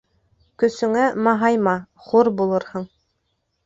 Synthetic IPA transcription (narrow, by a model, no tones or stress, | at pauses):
kɵ̆sɵ̆ŋæmɑɦɑjmɑχuɾbulˠɤɾhɤɴ